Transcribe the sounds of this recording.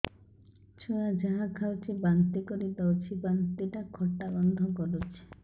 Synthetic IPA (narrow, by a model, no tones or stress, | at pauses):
t͡ʃʰuad͡ʒaɦakʰawt͡ʃʰibant̪ikɔɾid̪awt͡ʃʰibant̪iʈakʰɔʈːabɔnd̪ʱɔkɔɾut͡ʃʰi̥